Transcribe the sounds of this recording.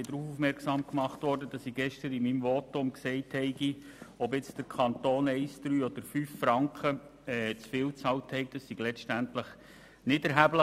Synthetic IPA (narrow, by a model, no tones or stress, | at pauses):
ɪd̪ɾuːfufmɛɾksɑːmkmɑχtʋɔrdədɑsiɡɛʃtəɾɪmimvɔtʊmksɛɪthɛɪɡi | ɔbɪt͡sd̥əɾkʰɑnt̪oːnɛɪsd̥̪ɾyːɔd̥̪əɾfyːfːɾɑŋkχəɛt͡sfɪːlt͡sɑlthɛɪɡ̚d̥ɑssiɡ̥lɛʃtæntləχ | nɪdɛɾɦæblə